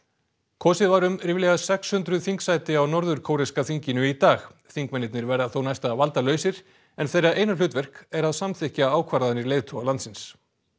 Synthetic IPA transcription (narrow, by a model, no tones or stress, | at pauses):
kʰɔːsɪðvaɾʏmɾɪvlɛːɣasɛkshʏnt̪ɾʏðθiŋksajt̪ɪawnɔɾðʏɾ̥kʰoːwɾɪskaθiɲcɪnʏit̪aːxθiŋkmɛnɪt̪nɪɾvɛɾðaθownajst̪avalt̪alœːɥsɪɾ̥ | ɛnθejɾaʔeːjnalʏːt̪vɛr̥kɛɾaðsamθɪhcaaːwkʰvaɾaðnɪɾleːjðt̪ʰɔɣalant̪sɪns